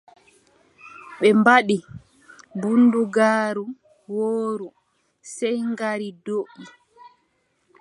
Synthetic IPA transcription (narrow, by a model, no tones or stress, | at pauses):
ɓɛmbaɗi | bunduɡaːɾu | woːɾu | sɛjŋɡaɾidoʔi